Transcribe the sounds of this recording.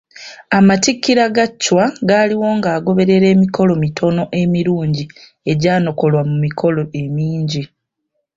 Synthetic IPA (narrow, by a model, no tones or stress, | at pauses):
amatikːiɾaɡacːwaɡaːliwo̞ːŋɡaːɡo̞βe̞ɾe̞ɾe̞ːmiko̞lo̞mitʰo̞no̞ʔe̞miɾuːɲɟi | e̞ɟaːno̞ko̞lwamumikʰo̞lo̞ʔe̞miːɲɟi